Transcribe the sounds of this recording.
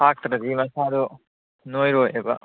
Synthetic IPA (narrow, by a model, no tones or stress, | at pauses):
pʰak̚t̪ɾɐdimɐsad̪u | nojɾojḛbɐ̰